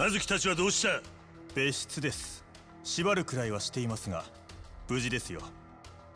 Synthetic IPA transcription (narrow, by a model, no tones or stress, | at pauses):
nazɨkʲi̥t̪at͡ɕiβad̪o̞ːɕi̥t̪a | b̥e̞ɕi̥t͡sɨd̪e̞sɨ̥ | ɕibaɾɯ̟kɯ̟ɾaiβ̞aɕi̥t̪e̞imasɨɡa | b̥ɯ̟ʑid̪e̞sɨjo̞